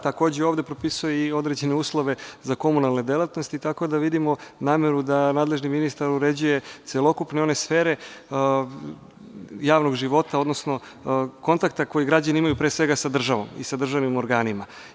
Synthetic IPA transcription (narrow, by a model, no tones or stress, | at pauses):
t̪ako̞ːd͡ʑeoʋd̪e̞pɾo̞pisujeio̞d̪ɾed͡ʑe̞neuːslˠo̞ʋe̞zako̞munalˠne̞d̪elˠat̪no̞st̪it̪ako̞d̪aʋid̪imo̞naːme̞ɾud̪anaːd̪le̞ʒniminist̪aɾuɾe̞d͡ʑuje̞t̪selˠo̞kupne̞o̞ne̞sfeːɾe̞ | jaːʋno̞ɡʒiʋo̞t̪ao̞d̪no̞sno̞ | ko̞nt̪ak̚t̪ako̞jiɡɾad͡ʑaniimajupɾesʋe̞ɡasad̪r̩ʒaʋo̞̰mḭsad̪r̩ʒaʋnimo̞ɾɡaːnima